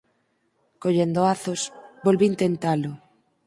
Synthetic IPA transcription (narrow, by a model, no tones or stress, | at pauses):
koʎend̪oaθʊsbolβiːnt̪ent̪alʊ